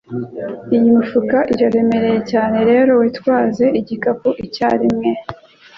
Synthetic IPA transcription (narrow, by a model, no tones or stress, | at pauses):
ijimifukaʔiɾaɾe̞me̞ɾe̞je̞caːne̞ɾe̞ːɾo̞wiːtkwaːze̞ʔiɟikapuʔica̰ːɾimŋe̞